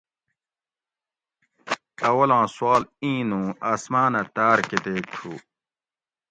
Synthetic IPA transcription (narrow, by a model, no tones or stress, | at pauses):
ɐwɐlãːswaːlĩːnũːaːsmaːnɐt̪aːɾket̪eːk̚ʈ͡ʂʰuː